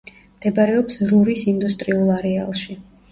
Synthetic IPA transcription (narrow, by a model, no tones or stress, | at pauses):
md̪̥ɛbaɾɛɔpsɾuɾisind̪ust̪ʼɾiulˠaɾɛalˠʃi